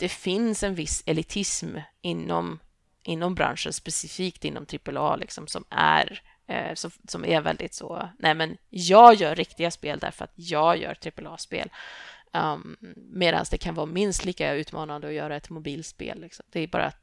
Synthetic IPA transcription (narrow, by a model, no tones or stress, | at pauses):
d̪̥ɛfɪnsɛnvɪsːɛlɪt̪ʰɪsmɪnːɔm | ʔɪnːɔmbɾa̰nʂənspɛsɪfiːkt̪ɪnːɔ̰mt̪ʰɾɪpəlɑːlɪksɔmsɔmæ̰ɾ | sɔsɔmʔæɾvɛ̰ld̪ɪt̪soːnʔɛːmɛnjɑːɡjœːɾːɪkt̪ɪɡaspeːld̪æ̰ɾfœɾa̰t̪jɑːɡjœ̰ːɾt̪ʰɾɪpəlɑːspḛːl | meːd̪a̰nsd̪ɛkʰanvɑːmɪnst̪liːkaʉ̟ːt̪mɑːnand̪əɔjœːɾaɛt̪mʊbiːlt̪spḛːlːɪksɔmd̪ɛæbɑ̰ːɾa̰